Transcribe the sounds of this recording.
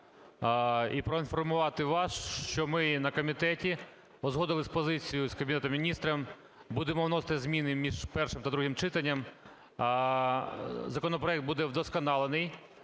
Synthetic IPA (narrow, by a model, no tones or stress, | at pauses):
ipɾɔinfɔrmʊʋɑt̪ɪʋɑsʃt͡ʃɔmɪnɐkɔmʲit̪ɛtʲi | ɔzɦɔd̪ɪlˠɪsʲpɔzɪt͡sʲijʊskɐbʲɪnɛt̪ʊmʲinʲist̪ɾɐm | bud̪emɔwnɔst̪ɐzʲmʲinɪmʲiʒpɛrʃɪmt̪ɐd̪ɾuɦɪmt͡ʃɪt̪ɐnʲːɐm | zɐkɔnɔpɾɔɛk̚t̪̚bud̪ɛwd̪ɔskɐnɑlˠenɪj